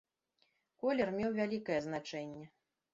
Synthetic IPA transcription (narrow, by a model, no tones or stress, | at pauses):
kɔlʲɛrmʲɛwvʲalʲikɐjɛzn̪at͡ʂɛnʲːɛ